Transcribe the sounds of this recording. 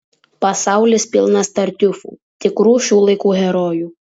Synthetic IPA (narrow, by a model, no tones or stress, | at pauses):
pɐsɑˑʊlʲɪspʲɪlˠnɐst̪ɐɾʲt̪ʲʊfṵː | t̪ʲɪkɾuːʃʲuːlˠɐɪkuːɦʲɛɾoːjuː